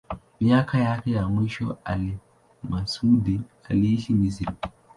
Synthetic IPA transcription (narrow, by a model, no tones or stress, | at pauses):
mijakʰajaːkejamuʃo̰a̰li | masuːdia̰liʃinis̬iɾ